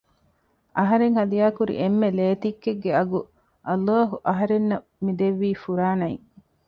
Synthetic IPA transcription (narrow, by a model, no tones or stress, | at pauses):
ʔɐɦɐɾeŋhɐd̪ijaːkuɾḭʔemːeleːt̪ikːeɡːeɐɡu | ʔɐlːaːɦuʔɐɦɐɾenːɐ | mid̪eʋːiːfuɾaːnɐḭŋ